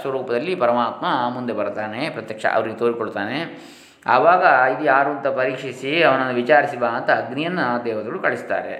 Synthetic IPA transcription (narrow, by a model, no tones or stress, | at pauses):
sʋɐɾuːpɐd̪ɐlːipɐɾɐmaːt̪mɐmund̪e̞bɐɾt̪aːne̞pɾɐt̪jɐkʂɐ̰ʔɐ̰ʋɐɾiɡet̪oːɾikoɭt̪aːne̞ | ɐ̰ʋaːɡɐid̪ujaːɾuɐnt̪ɐpɐɾiːkʂisiɐʋɐnɐnːuʋit͡ʃaːɾisibaːɐnt̪ɐːɡnijɐnːɐd̪ɛːʋɐt̪ɐɡɐɭukɐɭist̪a̰ːɾḛ